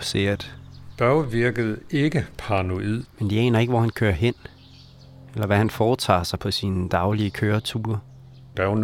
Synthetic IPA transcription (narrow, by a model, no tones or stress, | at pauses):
seɐd̥b̥ɶʊʋiɐɡ̥əð̩ˠe̝ɡ̥əpʰɑno̝ið̰ˠmend̥iɛ̰ːnɐe̝ɡ̥əʋɒhænkʰøːɐɦen̰ | elɐʋæhænfɒːt͡sʰɑ̰̈ːsɑ̈ɪpʰɒ̽siːnəd̥ɑ̈ʊliəkʰøːɐt͡sʰuːɐ | d̥æn